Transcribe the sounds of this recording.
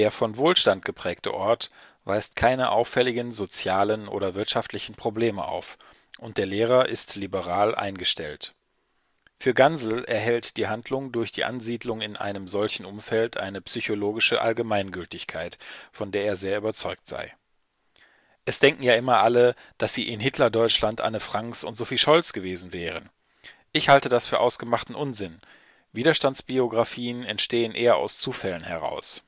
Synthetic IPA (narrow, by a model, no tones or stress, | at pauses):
d̥eːɐfɔnvoːlʃtant̚ɡ̥əpʁ̥ɛːktə̰ʔɔɐt | v̥aɪstkʰaɪnəʔa̰ʊfɛlɪɡənzot͡sjaːlənʔo̰ːɾɐvɪɐtʃaftʰlɪçn̩pʁ̥obleːmə̰ʔa̰ʊf | ʔʊnt̚d̥eːɐleːʁɐʔɪstlibəʁaːlʔa̰ɪnɡəʃtɛlt | fyːɐɡanzl̩ɛɐɦɛltd̥iːɦandlʊŋdʊɐçd̥ḭːʔa̰nziːdlʊŋɪnʔa̰ɪnəmzɔlçn̩ʊmfɛltʔa̰ɪnəpsyçoloːɡɪʃəʔa̰lɡəmaɪnɡʏltɪçkʰaɪtfɔndeːɐeːɐzeːɐyːbɐt͡sɔʏk̚tz̥a̰ɪ | ʔɛsd̥ɛŋkŋ̩jaːʔɪmɐʔalə | d̥asz̥iːʔɪnɦɪtʰlɐdɔʏt͡ʃlantʔa̰nəfʁ̥aŋksʊ̰ntz̥ofiːʃɔlt͡sɡ̥əveːzn̩vɛːʁ̞ən | ʔɪçhaltədasfyːɐʔaʊsɡ̥əmaχtn̩ʔʊnzɪn | viːdɐʃtantsb̥ioɡʁafiːənɛntʃteːənʔeːɐa̰ʊst͡suːfɛlənhɛʁ̞a̰ʊs